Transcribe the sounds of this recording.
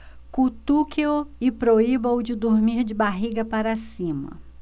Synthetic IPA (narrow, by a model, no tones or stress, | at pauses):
kut̪ukeoɪpɾoibɐwd͡ʒɪd̪oɾmiɾd͡ʒɪbaɦiɡɐpaɾɐsĩmɐ̰